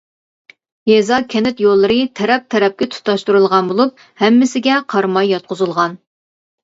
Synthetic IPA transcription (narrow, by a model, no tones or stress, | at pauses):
jɛzɑkʲʰɛnɪt̪jolˠːɨɾɨt̪ʰɛɾɛp̚t̪ʰɛɾɛp̚kʲɛt̪ʰu̥t̪ʰːɑʃt̪uɾulˠʁɑnbolˠup̚ | hɛmːɪsɪɡʲɛqʰɑɾmɑjːɑt̪̚qʰʊzɨlˠʁɑn